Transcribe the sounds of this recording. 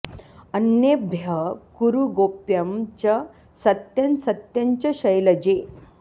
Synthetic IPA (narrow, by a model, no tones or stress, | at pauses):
ənjebʱjəkuɾuɡopjamt͡ɕa | sət̪jənsət̪jaɲt͡ɕaɕəjləd͡ʑe